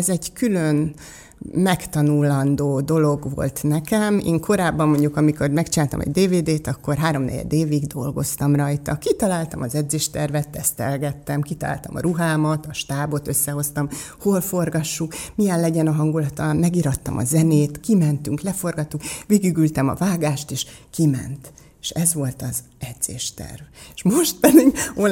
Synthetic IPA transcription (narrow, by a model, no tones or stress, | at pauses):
ɛzɛɟkyløn | mɛkt̪ɒnulɒnd̪oːd̪o̞lo̞ɡʋo̞̰lt̪nɛkɛmḛːŋkʰo̞ɾaːbːɒmːo̞ɲɟukɒmiko̞rmɛkt͡ʃinaːlt̪ɒ̰mʔɛ̰ɟd̪eːveːd̪eːt̪ɒkːo̞rɦaːɾo̞mnɛ̰ɟɛ̰d̪eːviɡd̪o̞lɡo̞̰st̪ɒmrɒjt̪ɒkit̪ɒlaːlt̪ɒmɒzɛd̪zeːʃt̪ɛrvɛt̪ːɛst̪ɛ̰lɡɛt̪ːɛmkit̪ɒla̰ːlt̪ɒmɒ̰ɾuɦaːmɒt̪ɒʃt̪aːbo̞t̪ø̞sːɛho̞st̪ɒm | ho̞lfo̞rɡɒʃːukmijɛllɛɟɛnɒɦɒŋɡulɒt̪ɒmmɛɡiɾɒt̪ːɒ̰mʔɒ̰zɛneːt̪kimɛnt̪yŋklɛfo̞rɡɒt̪ːukʋeːɡiɡylt̪ɛmɒ̰vaːɡaːʃt̪eːʃkimɛ̰nt̪ | eʃɛzʋo̞lt̪ɒz | ɛd̪z̥ḛːʃt̪ɛ̰rveʃmo̞ʃt̪̚pɛd̪iɡol